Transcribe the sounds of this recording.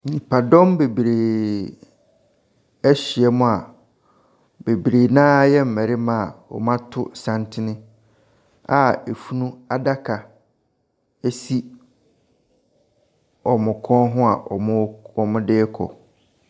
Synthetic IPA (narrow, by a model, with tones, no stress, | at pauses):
ɲĩ˨pʰa˨dɔ̃˦mbe˨bɾeː˨ | ɛ˦ɕi˨ɛ˦mʊ̃˦a˨ | be˨bɾeː˨nãː˦jɛ˦m̩˨mɛ̃˨ɾɪ˦mã˦˨wɔ̰˨mã˦tʰʊ˦sã˦ntʰɪ˦nɪ̃˦ | a˨e˨fu˦nũ˦a˦da˦kʰa˨ | e˦si˦ | ɔ˨mʊ̃˨kʰɔ̃˦nɦʊ̃˦a˨ʔɔ̰˨mʊ̃˦ɔ˨mʊ̃˦dɪː˦kʰɔ̰˨